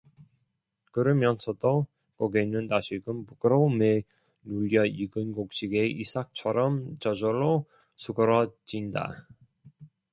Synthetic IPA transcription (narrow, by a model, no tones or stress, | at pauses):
kɯɾɯmjʌnsʰʌdo | kʌɡeinːɯntaɕʰiɡɯmpuɡɯɾome | nuʎːʌiɡɯnɡok̚ɕ͈iɡeisʰak̚t͡ɕʰʌɾʌmt͡ɕʌd͡ʑʌɾo | sʰuɡɯɾʌd͡ʑinda̰